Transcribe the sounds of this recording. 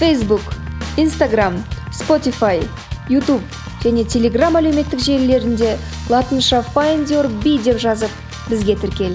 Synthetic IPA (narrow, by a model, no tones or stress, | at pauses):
fejsbukijnst̪aɡramspo̞t̪ifaj | jut̪up | ʒ̥æne̞t̪ʲʰe̞lʲe̞ɡramæleme̞t̪ːɪkʒe̞ɾle̞ɾɪnd̪e̞ | lˠɑt̪ənʃɑfajnd̪oɾbijd̪e̞pʒɑzəp̚ | bɪzɡʲe̞t̪ʰɪɾkʲe̞l